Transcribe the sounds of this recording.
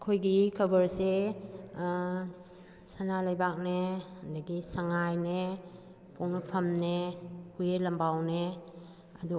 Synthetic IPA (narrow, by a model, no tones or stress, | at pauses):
kʰojɡikʰɐbəɾse | sanalɐjbak̚nehɐndaɡisaŋajne | pʰoŋnapʰɐmnehujelɐmbawne | ɐdu